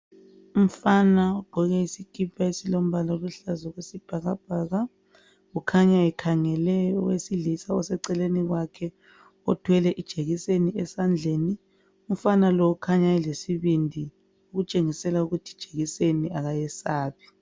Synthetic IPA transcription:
um̩fanaɔɡ͡ǃ̥ʱɔɣɛisikʼipʰaesilom̩βalɔluɬazɔɣwesib̥ʱaɣab̥ʱaɣa | ɣukʰaɲaɛkʰaŋɛlɛjɔwesilisaɔsɛǀɛleniɣwakʰɛ | ɔtʰwɛlɛʔid̥ʒ̥ʱeɣiseniɛsand͡ɮʱeːni | um̩fanalɔukʰaɲaɛlesiβindʱi | uɣut͡ʃʼeŋisɛlauɣutʰi̥d̥ʒ̥ʱeɣiseniaɣajɛsaːβi

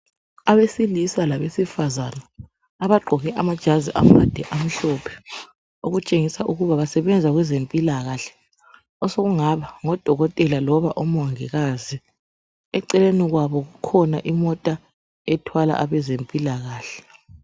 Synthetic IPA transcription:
aβesilisalaβesifazanaː | βaɡ͡ǃʱɔɣɛʔamad̥ʒ̥ʱaziʔamad̥ʱɛʔam̩ɬɔpʰɛ̥ | oɣut͡ʃʼeŋisaʔuɣuβaβasɛβɛnd͡zʱaɣwɛzempʼilaɣaɬɛ̥ | ɔsoɣuŋaβaŋɔd̥ʱɔɣɔtʼɛlalɔβaʔom̩waŋiɣazi | ɛǀɛleniɣwaβɔɣukʰɔnaʔimɔtʼa | ɛtʰwala̰ʔaβɛzempʼilaɣaːɬɛ̥

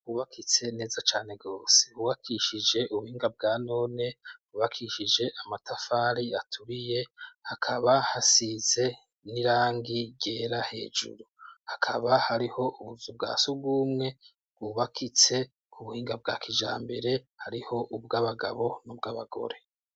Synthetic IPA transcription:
ɡuːβakʰit͡se̞ne̞ːzat͡ʃaːne̞ɡɡo̞ːse̞̥uβakʰiʃid͡ʒe̞ʔuβuhiːŋɡab̚ɡaːno̞ːne̞̥uβakʰiʃid͡ʒe̞ʔamatafaːɾiatʰuβije̞hakʰaβahasize̞ | niɾaːŋɡiɟe̞ːɾahe̞̰ːd͡ʒṵɾuhakʰaβahaɾiho̞ʔuβuzub̚ɡa̰ːsubɡuːmŋe̞ | bɡuːβakʰit͡se̞ | uβuhiːŋɡab̚ɡa̰ːkʰid͡ʒa̰ːmbe̞ɾe̞ | haɾiho̞ʔubɡaːβaɡaβo̞nubɡaːβaɡ̥o̞̰ɾe̞

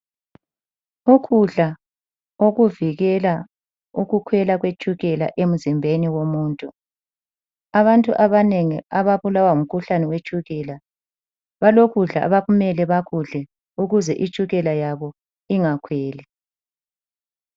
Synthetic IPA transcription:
uɣʰuɮa | oɣuviɣɛla | uɣukʰwɛlaɣwet͡ʃʼuɣɛla̰ʔem̩zimbʱeniwomuːntʼu | aβantʼṵʔaβaneŋḭaβaβulawaum̩kʰuɬanɛwet͡ʃʼuɣɛːla | βaloɣuɮa̰ʔa̰βaɣumɛlɛβaɣʰuɮɛ | uɣuzɛʔit͡ʃʼuɣɛlajaβɔ | iŋakʰwɛːlɛ

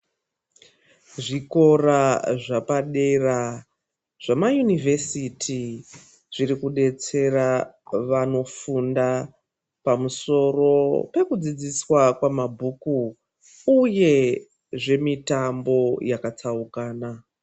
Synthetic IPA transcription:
ʐiko̞raʐapaɗe̞ra | ʐ̥amajunivʱe̞sitʰi | ʐ̥iɾikuɗe̞t͡se̞raʋano̞funda | pamuso̞ro̞pe̞kud͡zid͡ziswakwamabʱuku | uje̞ | ʐe̞mitambo̞jakat͡saukaːna

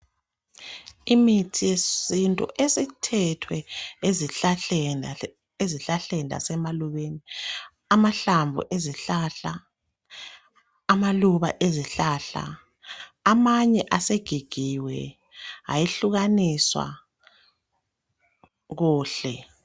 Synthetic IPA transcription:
imitʰijesintʼṵʔesitʰɛtʰwɛez | eziɬaɬɛnda̰sɛmaluβeni | amaɬaɱvʱṵʔeziɬaɬa | maluβa̰ʔeziɬaɬa̰ | amaɲɛʔaseɡ̥ʱiɡ̥ʱiwɛ̰ | a̰jiɬuɣaniswa̰ | ɣuːɬɛ

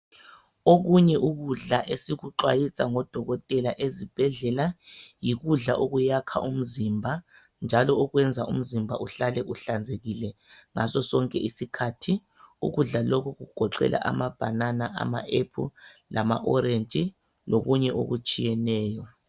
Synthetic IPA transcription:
oɣuɲɛʔuɣuɮaʔesiɣuǁwajisʼaŋɔd̥ʱɔɣɔtʼɛlaʔezib̥ʱɛɮɛlajiɣuɮaʔoɣujakʰa̰ʔum̩zimbʱa | nd͡ʒʱalɔɔɣwɛnd͡zʱaṵm̩zimbʱaʔuɬalɛʔuɬand͡zʱeɣilɛ | ŋasɔsɔŋkʼɛʔisikʰatʰi | ṵɣuɮalɔkʰuɣuɡ̥ʱɔǃɛ̰lʔa̰ʔa̰mab̥ʱananaʔa̰ma̰ʔepʰṵlʔama̰ʔɔɾent͡ʃʼi | loɣuɲɛʔo̰ɣut͡ʃʼijɛnɛːjɔ

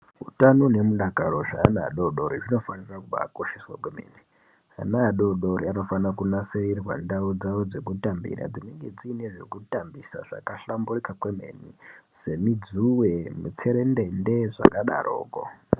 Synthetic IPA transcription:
utanone̞muɗaɡʱaɾo̞ʐaːnaɗo̞ɗo̞ɾiʐino̞fanirakuɓa̰ko̞ʃeswakwemḛni | a̰naɗo̞ɗo̞ɾiano̞fanakunaserirwa̰ndaud͡zaud͡ze̞kutambḭɾa̰d͡zine̞ŋɡe̞d͡ziːne̞ʐe̞̰kutambisa̰ʐa̰kaɬamburikakweme̞̰ːnise̞mid͡zuwemut͡se̞ɾendende̞ʐa̰kaɗa̰rʔo̰ːko̰

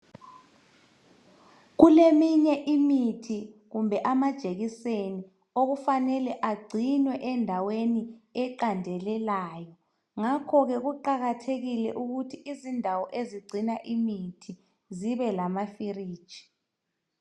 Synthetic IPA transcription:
ɣulemiɲɛʔimitʰiɣumbʱɛʔamad̥ʒ̥ʱeɣiseni | oɣufanɛlɛʔaɡ͡ǀʱinwɛʔɛndʱaweniɛǃandʱɛlɛlaːjɔ | ŋakʰɔɣɛɣuǃaɣatʰeɣilɛ̰ʔuɣutʰiʔizindʱawɔʔeziɡ͡ǀʱinaʔimitʰi | ziβɛlamafiriːd̥ʒ̥ʱi̥

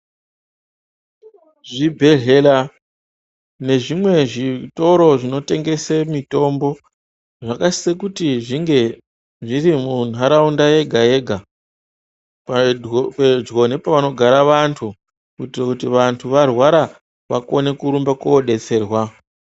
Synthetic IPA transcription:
ʐibʱe̞ɮe̞la | ne̞ʐimwe̞ʐito̞ɾo̞ʐino̞te̞ŋɡe̞semito̞mbo̞ | ʐakasi̥sekutiʐiŋɡe̞ | ʐirimunaɾaundaje̞ɡʱaje̞ɡʱa | pped͡zɣo̞ne̞paʋano̞ɡʱaɾaʋantʰu | kutirakutiʋantʰuʋarwaɾa | ʋako̞ne̞kuɾumbakoːɗe̞t͡se̞ːrwa

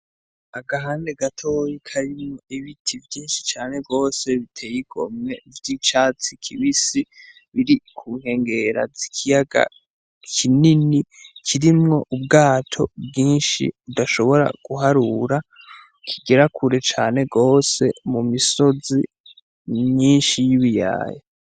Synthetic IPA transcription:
aɡaɦaːnde̞ɡatʰojikʰaɾimŋo̞iβitʰivjiːnʃi̥t͡ʃaːne̞ɡo̞ːse̞βitʰe̞jiɡʰo̞̰mŋe̞vjit͡ʃaːt͡sikʰiβisi | βiɾikʰuːŋ̥he̞ːŋɡe̞ɾa̰zikʰijaɡa̰ | kʰininikʰiɾimŋo̞ʔub̚ɡaːtʰo̞̰bɡiːnʃḭβudaʃo̞βo̞ɾa̰ɡ̥uɦaɾuɾa | kʰiɡe̞ɾakʰuɾe̞t͡ʃaːne̞ɡo̞ːse̞mumiso̞zi | mɲiːnʃijiβija̰ːja

